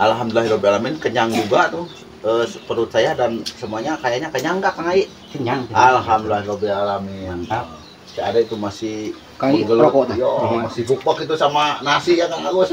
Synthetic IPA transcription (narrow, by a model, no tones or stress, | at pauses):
ʔalɦamdulaɦiɾɔbialamɪnkəɲaŋd͡ʒuɡat̪ʊh | əspəɾut̪̚sajadansəmuaɲakajaʔɲakəɲaŋɡaʔkaŋaiʔ | kəɲaŋalɦamdulaɦiɾɔbialamin | siadait̪umasɪh | kauɡəlkɔt̪jomasɪhbuk̚bakit̪̬usamanasijaŋaŋalus